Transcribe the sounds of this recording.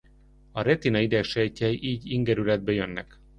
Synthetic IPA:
ɒɾɛt̪inɒid̪ɛkʃɛjcɛjʔiːɟiŋɡɛɾylɛd̪̚bɛjønːɛ̰k

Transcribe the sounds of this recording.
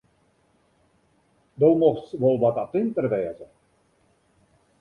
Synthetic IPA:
dowmɔχtsʋolˠʋɑtat̪ɪnt̪ərʋɛːzə

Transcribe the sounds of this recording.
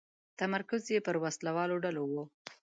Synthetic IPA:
t̪amaɾkʊzjepəɾwaslawɑloɖalowo

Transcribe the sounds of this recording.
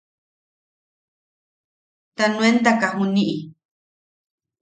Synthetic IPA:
t̪anũent̪akahunĩʔi

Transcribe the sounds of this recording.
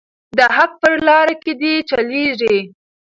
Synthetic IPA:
d̪əɦak̚pəɾlɑɾaked̪it͡ʃaleʐi

